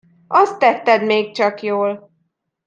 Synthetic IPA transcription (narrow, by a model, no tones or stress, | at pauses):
ʔɒst̪ːɛt̪ːɛd̪meːk̚t͡ʃɒkjoːl